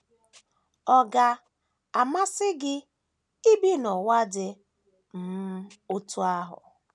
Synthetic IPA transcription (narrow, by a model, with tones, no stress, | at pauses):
ɔ˦ɡa˨ | a˨ma˦sɪ˦ɡɪ˦ | i˦bi˦nɔ˨wa˦dɪ˦ | m̩˨˦ | o˦tu˦a˦ɦʊ̰˨